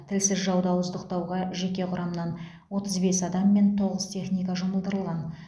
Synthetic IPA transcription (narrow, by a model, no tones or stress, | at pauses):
t̪ʰɪlsɪzʒɑwd̪ɑwʊzd̪əqt̪ɑwʁɑʒe̞kʲe̞qʰʊɾɑmənɑn | wo̞t̪əzbe̞sɑd̪ɑmːe̞nt̪ʰo̞ʁəzt̪ʰe̞χnijkɑʒoməlˠd̪əɾəlˠʁɑn